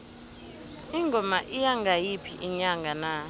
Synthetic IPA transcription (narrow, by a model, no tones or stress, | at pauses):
iŋɡʱɔmaʔijaŋɡʱajipʰiʔiɲaŋɡʱana